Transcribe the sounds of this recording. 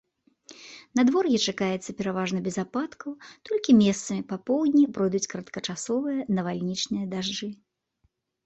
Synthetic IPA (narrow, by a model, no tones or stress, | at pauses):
nɐd̪vɔrɣʲɛt͡ʂakajɛt̪sɐpʲɛɾavaʐnɐbʲɛzapat̪kɐwt̪ɔlʲkʲimʲɛst̪sɐmʲipapɔwd̪ʲnʲipɾɔjd̪ut͡sʲkɾɐt̪kɐt͡ʂasɔvɨjɐnɐvalʲnʲit͡ʂnɨjɐd̪aʐd͡ʐɨ